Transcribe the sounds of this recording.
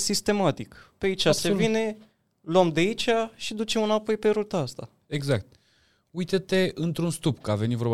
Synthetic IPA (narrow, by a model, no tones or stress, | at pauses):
sist̪e̞mat̪ikpeait͡ʃasevine̞ | luamd̪eit͡ʃaʃid̪ut͡ʃe̞mɨnapo̞jpe̞ɾut̪aast̪a | eɡzakt̪̚ | ujt̪ət̪e̞ʔɨnt̪ɾunst̪upkəave̞nit̪voɾba